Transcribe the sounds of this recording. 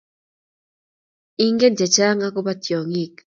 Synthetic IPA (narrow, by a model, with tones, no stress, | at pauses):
iŋɡe˦nt̪ja˨t͡ʃaː˦ŋa˦ko˦ba˦t̪jo˨ŋik